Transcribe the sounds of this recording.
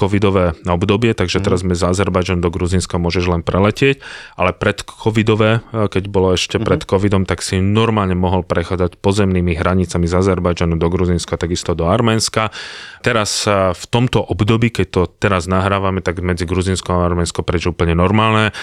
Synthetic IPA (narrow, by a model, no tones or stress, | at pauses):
kɔʋid̪ɔʋɛːɔbd̪ɔbɪɛt̪aɡʒɛt̪ɛɾazmɛzazɛɾbajd͡ʒanud̪ɔɡɾuzinskamʊɔʒɛʒlɛnpɾɛlɛcɪɛcʔalɛpɾɛt̪kʰɔʋid̪ɔʋɛːkɛɟbɔlɔɛʃcɛpɾɛt̪kɔʋid̪ɔmt̪aksinɔɾmaːlɲɛmɔɦɔlpɾɛxaːd͡zacpɔzɛmniːmiɦɾaɲit͡samizazɛɾbajd͡ʒanud̪ɔɡɾuzinskat̪aɡist̪ɔd̪ɔaɾmɛːnskat̪ɛɾasft̪ɔmt̪ɔʔɔbd̪ɔbiːkɛc̚t̪ɔt̪ɛɾaznaɦɾaːʋamɛt̪aɡmɛd͡ziɡɾuzinskɔaaɾmɛːnskɔpɾɛʒɛuːpəɲɛnɔɾmaːlnɛ